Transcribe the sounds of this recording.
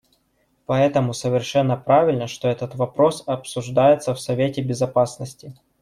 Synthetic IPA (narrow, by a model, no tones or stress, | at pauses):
pɐɛt̪əmʊsəvʲɪrʂɛnːəpɾavʲɪlʲnəʂt̪o̞ɛt̪ət̪vɐpɾo̞sɐpsʊʐd̪ajɪt̪səfsɐvʲetʲɪbʲɪzɐpasnəsʲtʲɪ